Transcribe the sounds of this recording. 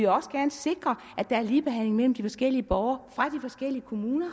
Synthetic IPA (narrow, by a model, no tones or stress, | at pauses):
eɒ̽səɡ̥æɐnəse̝ɡ̥ʁɐ | ʔæd̥ɑ̈æɐliːb̥e̝ɦæn̰le̝ŋmel̰m̩d̥ifɒ̽sɡ̥el̰iəb̥ɒʊɐfʁɑ̈d̥ifɒ̽sɡ̥el̰iəkʰo̝muːnɐ